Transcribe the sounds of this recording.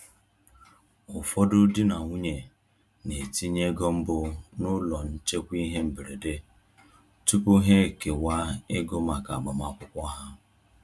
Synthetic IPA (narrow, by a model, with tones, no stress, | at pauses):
ʊ˨fɔ˦dʊ˦di˦na˨ŋʷu˦ɲe˨ | ne˨ti˦ɲe˦ɡo˦m̩˦bʊ˨nʊ˦lɔ˨n̩˦t͡ʃe˦kʷi˦ɦe˦m̩˨be˨ɾe˨de˦ | tu˦pʊ˦ɦe˦˨ke˨wa˦e˦ɡo˦ma˨ka̰˨ɡ͡ba˨ma˦˨kʷʊ˦kʷɔ˦ɦa˦